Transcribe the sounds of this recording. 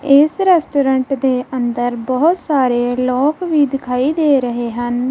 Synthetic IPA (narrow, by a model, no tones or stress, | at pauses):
ɪsɾɛːsʈoːɾəɳʈd̪eːʔənd̪əɾbəɦʊt̪saːɾeːlɔːkʋiːd̪ɪkʰaːiːd̪eːɾəɦeːɦən